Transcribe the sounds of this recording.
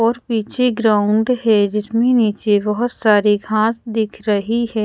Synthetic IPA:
ɔːɾpiːt͡ʃʰeɡɾaːʊɳɖɦɛd͡ʒɪsmẽniːt͡ʃebɐɦʊt̪saːɾiɡʱãːsd̪ɪkʰɾɐɦihɛː

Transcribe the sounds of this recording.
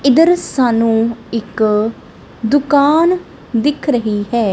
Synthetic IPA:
ɪd̪əɾsaːnũːɪk | d̪ʊkaːn | d̪ɪkʰɾəɦiːɦɛː

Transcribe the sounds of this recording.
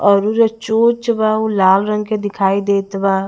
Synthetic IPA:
ɔːɾuɾet͡ʃoːt͡ʃbaolaːlɾə̃ŋɡked̪ɪkʰaːid̪eːt̪baː

